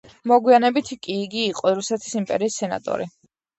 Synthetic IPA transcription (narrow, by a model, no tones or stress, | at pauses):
mɔɡwianɛbit̪ʰikʼiːɡiːqʼɔɾusɛt̪ʰi̥simpʼɛ̰ɾiːsːɛna̰t̪ʼɔ̰ɾi